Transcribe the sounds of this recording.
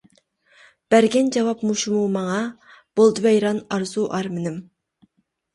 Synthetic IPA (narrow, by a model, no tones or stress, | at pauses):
b̥æɾɡʲɛnd͡ʒɑwɑpmuʃumumɑŋɑ | b̥olˠd̪ɨvɛjɾɑnɑɾzuʔɑɾmɪnɪm